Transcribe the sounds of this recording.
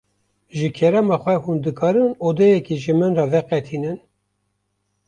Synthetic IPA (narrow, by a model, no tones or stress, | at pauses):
ʒɨkʰɛɾɛmɑxʷɛhund̪ɨkʰɑːɾɨnoːd̪ɛjɛkiʒɨmɨnrɑvɛqɛt̪ʰinɨn